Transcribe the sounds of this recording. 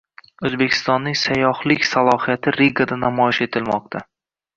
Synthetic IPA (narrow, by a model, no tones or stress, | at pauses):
ɵzbe̞kʲʰɪ̥st̪ɒnːɪŋsajɒhlɪkʲsalˠɒhijat̪ʰɪɾeɡad̪anamɒjɪʃe̞t̪ʰɪlmɒq̚t̪ʰa